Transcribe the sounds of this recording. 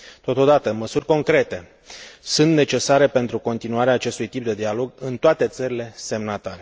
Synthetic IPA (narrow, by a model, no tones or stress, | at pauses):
t̪o̞t̪o̞d̪at̪əməsurʲko̞ŋkɾe̞t̪e̞ | sunt̪ne̞t͡ʃe̞saɾe̞pe̞nt̪ɾuko̞nt̪inuaɾeaːt͡ʃe̞st̪ujt̪ip̚d̪e̞d̪ialo̞ɡɨnt̪oat̪e̞t̪səɾile̞se̞mnat̪aɾe